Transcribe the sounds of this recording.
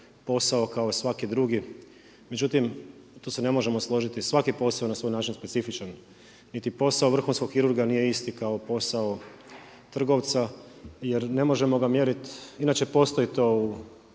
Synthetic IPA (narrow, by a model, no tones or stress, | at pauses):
po̞sao̞kaosʋakid̪ɾuɡi | me̞d͡ʒut̪imt̪oːse̞ne̞moʒe̞mo̞slˠo̞ʒit̪isʋakipo̞saonasʋo̞jnaːt͡ʃinspesifit͡ʃan | nit̪ipo̞saoʋr̩xunskoɡxiɾuɾɡanije̞ist̪ikao̞po̞sao | t̪r̩ɡo̞ʋt̪sa | je̞ɾne̞mo̞ʒe̞mo̞ɡamje̞ɾit̪inaːt͡ʃe̞po̞ːst̪o̞it̪o̞u